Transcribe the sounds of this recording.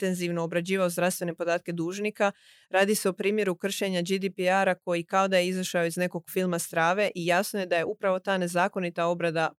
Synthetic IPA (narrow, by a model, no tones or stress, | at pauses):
nt̪e̞nziʋnoːbɾad͡ʑiːʋaozd̪ɾafsʋe̞ne̞po̞d̪aːt̪̚ke̞d̪uːʒniːka | ɾaːd̪ise̞opɾiːmje̞ɾukr̩ʃe̞ɲad͡ʒid̪ipiaɾako̞jikao̞d̪ajeizaʃaoizne̞ko̞ɡ̥filˠmast̪ɾaːʋe̞ʔijasnojed̪aje̞ʔupɾaʋo̞t̪aːne̞zaːko̞nit̪ao̞bɾad̪a